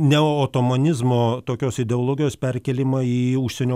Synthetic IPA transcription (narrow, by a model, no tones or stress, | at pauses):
nʲɛoːoːt̪oːmonʲɪzmoːt̪oːkʲoːsɪd̪ʲɛoːlˠoːɡʲɪjoːspʲɛrʲkʲɛlʲɪmɑiːʊʃʲsʲɛnʲoː